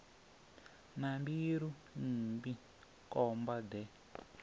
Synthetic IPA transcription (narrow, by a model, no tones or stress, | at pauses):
nambiɾu | nimbi | kʼɔmbadɛ